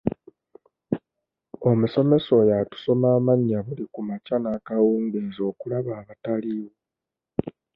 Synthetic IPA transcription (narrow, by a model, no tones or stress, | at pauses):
o̞muso̞me̞so̞jatu̥so̞maːmaɲːaβulikumacanaːkawuːŋɡezo̞ːkulaβaːβataliwo